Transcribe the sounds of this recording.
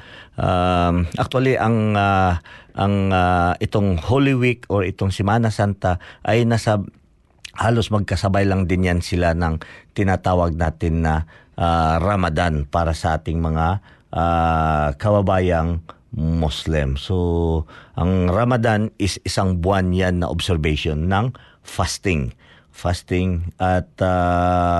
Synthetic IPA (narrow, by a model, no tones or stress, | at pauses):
ʔamʔɐk̚t̪waliʔɐŋaʔɐŋaɪt̪oŋholɪwikoɾɪt̪oŋsɪmaːnɐsant̪aʔɐjnasɐ | haːlosmɐɡ̚kɐsɐbajlɐŋd̪ɪnjansɪlanɐŋt̪ɪnat̪aːwɐɡ̚naːt̪ɪnːɐʔaɾɐmad̪anpaːɾɐsɐʔaːt̪ɪŋmɐŋaʔakɐbɐbaːjɐŋ | moslɪmsoʔɐŋɾɐmɐd̪anɪsɪsaŋbʊanjanːɐ̰ʔobsɛɾbɛʃonːɐŋ | fast̪ɪŋ | fast̪ɪŋʔɐt̪a